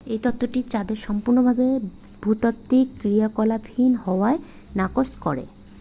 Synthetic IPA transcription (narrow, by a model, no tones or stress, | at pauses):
ejt̪ot̪ːoʈit͡ɕad̪eɾʃɔmpuɾnobʱabe | bʱut̪ot̪ːikːɾijakɔlab̪ʱinhɔoae | nakoskoɾḛ